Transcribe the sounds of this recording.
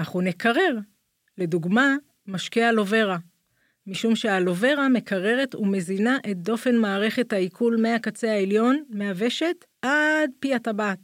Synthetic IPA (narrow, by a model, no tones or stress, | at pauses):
aχunekaʁe̞ʁ | le̞duɡma | maʃkealo̞ve̞ʁa | miʃumʃe̞alo̞ve̞ʁame̞kʰaʁe̞ʁe̞tume̞zinaʔet̚do̞fe̞nmaːʁe̞χe̞thaikʰulme̞akat͡seaeljo̞nmeave̞ʃe̞t | ad̚piatabat